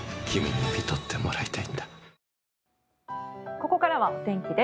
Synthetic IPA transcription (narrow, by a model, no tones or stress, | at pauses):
kʲʰimʲḭɲ̟ipʲit̪o̞t̪ːe̞mo̞ɾait̪aind̪ḁ | ko̞ko̞kaɾaβaot̪ẽ̞ŋkʲid̪e